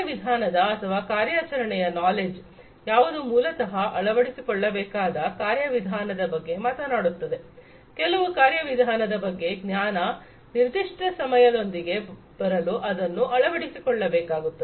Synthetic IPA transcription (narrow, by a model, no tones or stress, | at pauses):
ɐʋid̪ʱaːnɐd̪ɐɐt̪ʰɐʋaːkaːɾjaːt͡ʃɐɾɐɳɛjɐnaːled͡ʒ | jaːʋɐd̪umuːlɐt̪ɐɦɐʔɐɭɐʋɐɽisikɔɭːɐbɛːkaːd̪ɐkaːɾjɐʋid̪ʱaːnɐd̪ɐbɐɡːe̞maːt̪ɐnaːɽut̪ːɐd̪e̞ | kɛlɐʋukaːɾjɐʋid̪ʱaːnɐd̪ɐbɐɡːe̞ɡnjaːnɐ | niɾd̪iʂʈɐsɐmɐjɐd̪o̞nd̪iɡe̞ | b̥ɐɾɐluʔɐd̪ɐnːuʔɐɭɐʋɐɽisikɔɭːɐbɛːkaːɡut̪ːɐ